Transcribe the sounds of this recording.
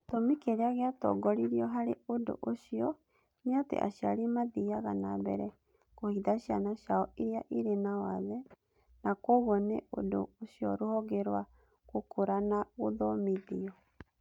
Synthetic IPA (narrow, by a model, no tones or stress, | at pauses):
tomikeɾeaɣeatɔ̰ɡɔɾiɾiɔɦaɾeodo̰ʔoɕiɔ | neatḛʔa̰ɕia̰ɾemaðiaɣanabɛ̰ɾɛ | kohiðaɕia̰naɕaɔʔiɾiaʔiɾenawaðɛ | nakoɣɔnḛʔo̰do̰oɕiɔɾohɔɣeɾwa | kokʰoɾanaɣoðɔmiðiɔ